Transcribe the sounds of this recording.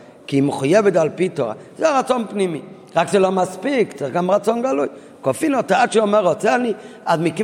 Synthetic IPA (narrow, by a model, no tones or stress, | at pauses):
kiməχujɛvətalpitɔ̰z̥ɛaʁat͡sɔnpnimḭ | ʁakzelɔmaspikt͡seχɡamʁat͡sɔnɡaluj | kɔfinɔtaat͡ʃiɔmɛʁɔt͡sɛaniatmiki